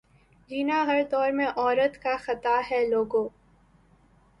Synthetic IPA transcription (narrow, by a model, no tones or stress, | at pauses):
d͡ʒiːnaɦɐɾd̪ɔːɾmẽʔɔːɾət̪kaxɐt̪aɦɛloːɡõː